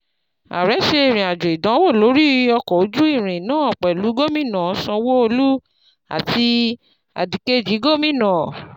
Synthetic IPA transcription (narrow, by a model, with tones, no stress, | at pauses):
a̰˨ɾɛ˨˦ʃe˧e˨ɾ̃ĩ˨a˨d͡ʒɔ˨i˨dã˨˦wo˦˨lo˨˦ɾi˦ɔ˧kɔ˨o˨˦d͡ʒu˦i˦˨ɾ̃ĩ˨nãː˦ɔ˨k͡pɛ˨lu˨˦ɡo˦mĩ˦˨nã˨˦sɔ̃˧wo˦o˧lu˦ | a̰˨ti˧ | a̰˨di˨ke˦d͡ʒi˨˦ɡo˦˨mĩ˦nã˨